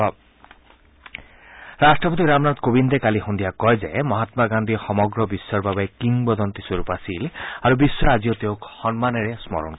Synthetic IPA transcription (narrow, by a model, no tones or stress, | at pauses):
ɾasʈɹɔpɔt̪̬iɾamnat̪kobind̪ekaliɦund̪iakɔjzḛmɔɦat̪maɡand̪ʱiɔxɔmɔɡɾɔbisːɔɹbabɔjkiŋbɔd̪ɔnt̪isoɾupasilaɾubisːɔaziot̪eokxɔnmaneɾesmɔ̰ɾɔ̰nkɔ